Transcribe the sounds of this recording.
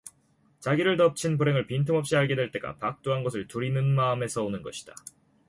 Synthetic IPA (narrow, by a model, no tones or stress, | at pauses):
t͡ɕaɡiɾɯɭtʌp̚t͡ɕʰinpuɾe̞ŋɯɭpintʰumʌp̚ɕ͈iɦaɭɡe̞dwe̞ɭt͈e̞ɡa̰pak̚t͈oɦanɡʌs̬ʰɯɭtuɾinɯnmaɯme̞sʰʌonɯnɡʌɕʰi̥d̥a